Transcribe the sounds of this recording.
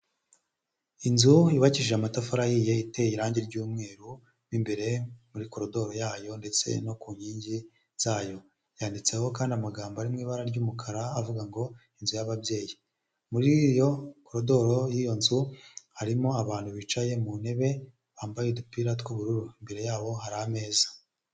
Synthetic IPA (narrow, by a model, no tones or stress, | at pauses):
inzuiβaciʒeamatafaɾahije̞ite̞jiɾaːɲɟeɾɟuːmŋe̞ːɾu | nimbe̞ɾe̞muɾiko̞ɾodo̞ɾo̞jaːjo̞nde̞t͡se̞̰no̞kuːɲiːɲɟi | z̥aːjo̞ | jaːndit͡se̞ho̞kaːndiamaɡaːmboaɾimŋiːβaɾaɾɟuːmukʰaɾaːvuɡaŋɡo̞ | inzujaβabje̞ːji | muɾijo̞koɾodo̞ɾo̞jijo̞nzuhaɾimoaβaːnhuβit͡ʃaje̞mune̞βe̞ | βaːmbajedupiːɾatkuβuɾuɾuimbe̞ɾe̞jaːβo̞ɦaɾaame̞ːzḁ